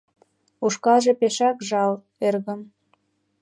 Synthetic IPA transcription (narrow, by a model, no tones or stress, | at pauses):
uʃkɑlʒĕpeʃɑkʒɑl | erɣə̆m